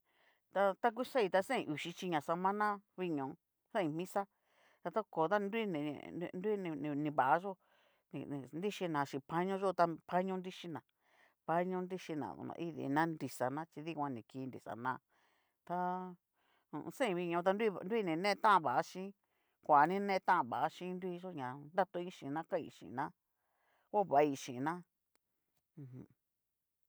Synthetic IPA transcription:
t̪a˧t̪a˦k̬u˦sa˦i˧t̪a˧sẽ˦ĩ˧ʔu˨ʃi˧˦t͡ʃi˧ɲã˨sa˧mã˦nã˦βi˧ɲõ˨˧ | sẽ˦ĩ˧mĩ˦sa˦ | t̪a˧t̪a˦˧ko˨t̪a˦ndu˦i˦nḭ̃˨˧ndu˦ñ˧nĩ˧βa˨a˦ʒo˦ | nĩ˧ndi˦ʃi˧nã˨ʃĩ˧pa˦ɲõ˦ʒo˦˧t̪a˧pʰa˦ɲõ˦nɾi˦ʃi˧˦nã˨ | pa˦ɲõ˦nɾi˦ʃi˧nã̰˨ðṵ˧˨nã̰˧i˦ðḭ˧˨nã˦ndi˧sa˨nã˦t͡ʃi˧ði˦kʷã˧nĩ˨ki˧ndḭ˨sa̰˨nã˧ | t̪a˧ | ṵ̃˧˨˧sẽ˦˧βi˧ɲõ˧t̪a˧ndnd̪u˦i˦˧nĩ˧nẽ˦t̪ã˦ʔã˧βa˨ʔa˦ʃĩ˦ | kʷa˨nĩ˦nẽ˦˧t̪ã˦ʔã˧βa˨a˦ʃĩ˦nd̪u˦i˦˧ʒo˦ɲã˨nd̪a˦t̪o˧ĩ˦ʃĩ˨nã˦kã˦˨ḭ˧˨ʃḭ̃˨nã˦ | o˦˨βa˨˦˧i˧ʃĩ˨˧nã˦˧ | ɦũ˧

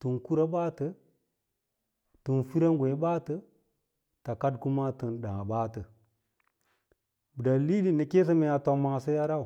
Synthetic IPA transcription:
tu˨nku˦ɾa˦ba˦tə˦ | tu˨nfi˦ɾa˦ŋɡʷe˨˦ba˦tə˦ | ta˨ka˦dku˦ma˦tə˨nɗã˨ba˦tə˨ | bə˨da˨li˦li˦nə˨ke˦s̬ə˦me˨ja˨to˨ma˨sə˦ja˦ɾa˦u˨

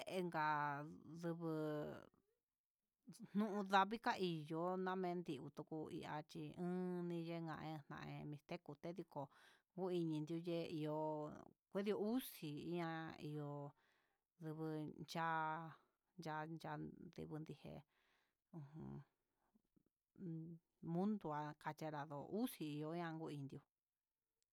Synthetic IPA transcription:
e˧ŋɡa˨ðɨ˧βɨ˧ | n̥nũ˦ʔũ˧ða˧βi˦ka˦ʔi˨jo˧˦nã˦˧mẽ˧nd̪i˧u˧t̪u˧ku˧ḭ˧ʔa˧t͡ʃi˧ɨ̃ː˦nĩ˧je˦ŋã̰˧ʔẽ˧nã̰˧ʔḛ̃˧mĩ˧t̪e˦ku˧t̪e˦ði˧ko˨ŋɡu˦i˧ɲĩ˧nd̪i˧u˧je˦i˧jo˧kʷe˦ði˧o˧u˦si˨ḭ˦ã˧ḭ˧jo˧ | ðɨ˧βɨ˧t͡ʃa˦ | nd͡ʒa˧d͡ʒa˧d̪ḭ˧βɨ˧nd̪i˧hḛ˧ | ũ˧hṵ̃˧ | mũ˦nd̪u˧a˧ka˧t͡ʃe˧ɾa˨ðo˨ʔu˦si˧i˧jo˧i˦ã˧ŋɡu˦ĩ˧nd̪i˧u˧

